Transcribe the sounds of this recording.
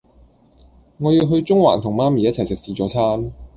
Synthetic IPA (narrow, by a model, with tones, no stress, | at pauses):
ŋɔː˨˧ji˧wɦɵ˧ɥt͡sʊ˥ŋwa̰ː˨˩nt̪ʰʊ˨˩ŋmaː˥miː˨˩jɐ˥t̚t͡sʰɐ˨˩jsɪ˨k̚siː˨˧t͡sɔː˨˧˥t͡sʰaː˥n